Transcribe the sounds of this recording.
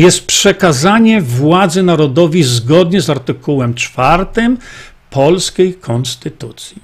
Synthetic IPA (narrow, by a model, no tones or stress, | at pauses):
jɛst̪̚pʂɛkazaɲɛvwad̪zɘnaɾɔd̪ɔvʲizɡɔd̪ɲɛzaɾt̪ɘkuwɛmt͡ʂfaɾt̪ɘm | pʰɔlskʲejkʰɔnst̪ɘt̪ut̪sʲji